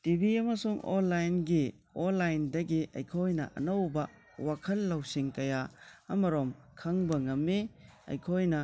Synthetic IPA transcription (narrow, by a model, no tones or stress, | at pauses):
tibiɐmɐsuŋo̰nːajnɡi | onlːajndɐɡiʔɐ̰jkʰojnɐ̰ʔɐ̰nɐwbɐ | wakʰɐlːɐwsiŋkɐjaɐmɐɾom | kʰɐŋbɐŋɐmːeɐ̰jkʰojnɐ